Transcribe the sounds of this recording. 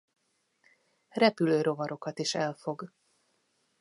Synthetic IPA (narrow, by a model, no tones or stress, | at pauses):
rɛpyløːɾo̞vɒɾʔo̞kɒt̪iʃɛlfo̞ɡ